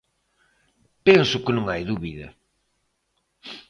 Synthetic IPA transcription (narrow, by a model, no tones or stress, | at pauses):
pensʊkɪnõŋajðuβiðɐ̰